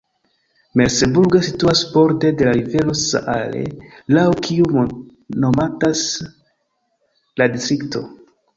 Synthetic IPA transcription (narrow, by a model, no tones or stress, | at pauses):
me̞ɾse̞buɾɡosituasbo̞ɾte̞de̞laɾive̞lo̞sa̰ʔa̰le̞̰lawkʰiu | no̞matas | ladistɾikto̞̰